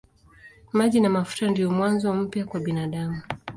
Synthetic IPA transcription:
maʄinamafu̥tandijɔmwanzɔm̩pjakwaɓinaɗamu

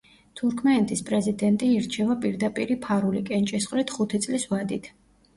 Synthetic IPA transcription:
t̪ʰuɾkʰmɛnɛt̪ʰʼispʼɾɛzid̪ɛnt̪ʼiːɾt͡ʃʰɛvapʼiɾd̪apʼiɾipʰaɾulikʼɛnt͡ʃʼisχʼlit̪ʰχut̪ʰit̪sʼlisvad̪it̪ʰ

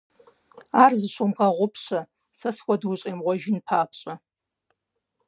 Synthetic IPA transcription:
aːrzɨʃʷomqʼɐʁʷʊpʰɕɐ | sɐsxʷɐdwʊɕʼeːmʁʷɔʒɪnpʰaːpʰɕʼɐ

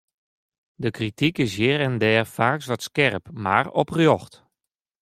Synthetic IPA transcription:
dəkritikɪs̬jɪːɾɛndɛːrfaːksʋɔtskɛrəpma̰rɔprjoxt

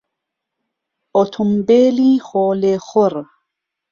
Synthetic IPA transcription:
ot̪ʰumbeːlixoːlexoɾ

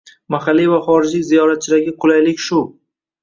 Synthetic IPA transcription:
maχalːivaχɒɾɪd͡ʒlɪkʲzijɒɾat̪̚t͡ʃʰɪd̪aɡʲɪqʰʊlˠajlɪkʲʃʊ

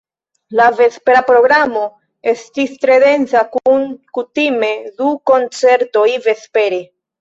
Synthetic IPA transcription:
lave̞speɾapɾo̞ɡɾamo̞ | e̞stistɾe̞de̞nt͡sakunkutime̞duko̞nt͡se̞ɾto̞jvespe̞ɾe

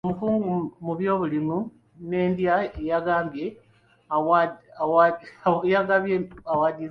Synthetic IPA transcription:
omukuːŋɡumuβjo̞ːβulimu | ne̞ːnd̪jaejaɡaːmbje̞ | awaawajaɡaβjeawadi

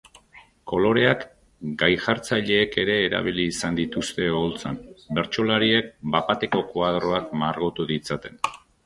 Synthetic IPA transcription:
ko̞lo̞ɾe̞ak | ɡajxaɾt͡saʎe̞ːke̞ɾe̞ːɾa̰β̞iliːsand̪it̪ust̪e̞olt͡sanbe̞ɾt͡ʃo̞laɾie̞k̚bapat̪e̞ko̞koað̞ɾo̞akmaɾɣo̞t̪uðit͡sat̪e̞n

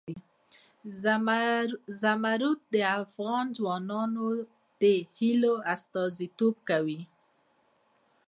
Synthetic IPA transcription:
zamaɾut̪̚d̪əafɣɑnzwɑnɑno | d̪̥əhiloast̪ɑzit̪ob̚kawi

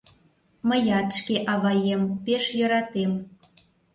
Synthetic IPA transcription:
məjɑt̪ʃkeʔɑβɑjempeʃjø̆ɾɑt̪em

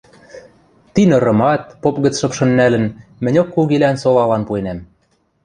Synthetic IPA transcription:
t̪inɤ̆ɾɤ̆mɑt̪̚popɣə̆t͡sʃɤ̆pʃɤ̆nːælə̆nmɘ̆nʲokːuɣilænsolɑlɑnpuenæm

